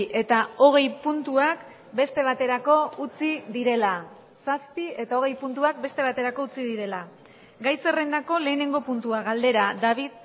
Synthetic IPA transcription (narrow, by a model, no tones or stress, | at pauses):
ʔe̞t̪ao̞ɣ̞e̞jpunt̪uak | be̞st̪e̞β̞at̪e̞ɾako̞ut͡siðiɾe̞la | saspie̞t̪ao̞ɣ̞e̞jpunt̪uak̚be̞st̪e̞β̞at̪e̞ɾako̞ut͡siðiɾe̞la | ɡajse̞rend̪ako̞le̞ːne̞ŋɡo̞punt̪uaɣald̪e̞ɾad̪aβið